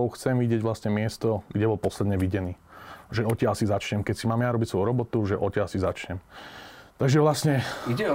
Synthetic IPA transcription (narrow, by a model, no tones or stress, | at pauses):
ɔʊxt͡sɛmʋiɟɪɛɟʋlasɲɛmɪɛst̪ɔɡɟɛbɔlpɔslɛd̪ɲɛʋiɟɛniːʒɛɔcɛasizat͡ʃɲɛmkɛcsimaːmjaɾɔbicsʋɔʊɾɔbɔt̪uʒɛʔɔcɛasizat͡ʃɲɛm | t̪aɡʒɛʋlasɲɛ